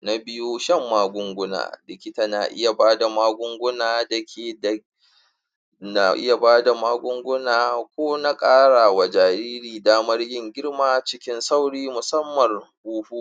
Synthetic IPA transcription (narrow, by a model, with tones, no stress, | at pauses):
na˦bɪ˦ju˦ʃɐ˦˨mːaː˦ɡʷʊ˦ŋɡʷʊ˦na̰ː˨lɪ˨kʲɪ˦taː˨na̰˨ʔɪ̰˦ja˨baː˦da˨maː˦ɡʷʊ˦ŋɡʷʊ˦naː˨da˨kʲʰeː˨da˨ | na̰˨ʔɪ˦ja˨baː˦da˨maː˦ɡʷʊ˦ŋɡʷʊ˦naː˨kʷoː˦na˦kʼaː˦ɽa˨wa˨d͡ʒaː˨ɾiː˦ɾiː˨daː˦mɐ˦rjɪ˦˨ŋɡʲɪ˦rmaː˦t͡ʃɪ˦kʲɪ˦nsa˦wɽiː˦mʊ˨sɐ˦mːɐ˨rhuː˦ɸu˦ʔ